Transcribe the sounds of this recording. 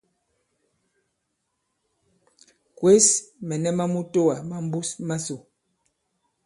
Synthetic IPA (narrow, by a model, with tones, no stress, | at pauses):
kwe˦smɛ˨nɛ˦ma˦mu˦to˦wa˨ma˦m˦bu˦sma˦so˨